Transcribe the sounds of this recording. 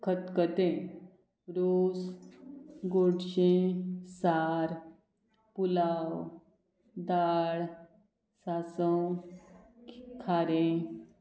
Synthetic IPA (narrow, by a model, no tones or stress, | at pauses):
kʰət̪kət̪ẽ | ɾos | ɡoɽɕẽsaɾ | pulaw | d̪aɭ | sasə̃ | kʰaɾẽ